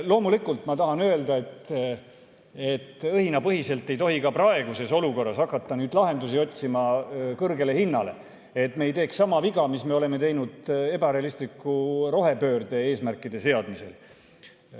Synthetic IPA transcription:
lo̞ːmulikːˑult̪ˑmɑt̪ɑɦɑnø̞eld̪ɑe̞t̪ | e̞t̪ːˑɤhinɑpɤɦise̞lt̪ːˑe̞jt̪o̞ɦikɑprɑe̞ɡ̥use̞so̞luko̞rːɑsɑkːˑɑt̪ːɑnyːd̪lɑɦe̞nd̪usio̞t̪ʲsimɑkɤrɡe̞le̞hinːɑle̞̰ | et̪me̞jt̪e̞ːkssɑmɑviɡɑmisme̞o̞le̞me̞t̪e̞jnud̪̥e̞bɑɾe̞ɑlist̪likːˑuɾo̞ɦe̞pø̞ːrd̪e̞e̞ːsmærkːˑid̪̥e̞se̞ɑd̪̥mise̞̰l

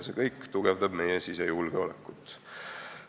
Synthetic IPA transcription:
se̞kɤjkːt̪uɡ̥evd̪ɑb̥me̞jesisejulɡ̥eo̞lekːˑut̪ːˑ

